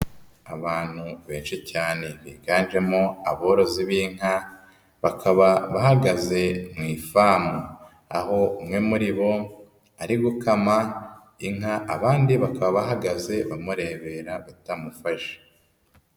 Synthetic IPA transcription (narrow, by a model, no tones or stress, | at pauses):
aβaːn̥huβe̞ːnʃicaːne̞βiɡaːnʒe̞moaβoɾo̞ziβiŋ̥a | βakʰaβaβahaɡaze̞mŋiːfaːmu | a̰ho̞umŋe̞muɾiβo̞ | aɾiɡukama | iŋaʔːβaːndiβakaβaβaɦaɡaze̞βamuɾe̞ːβe̞ɾaβatamufaʃe̥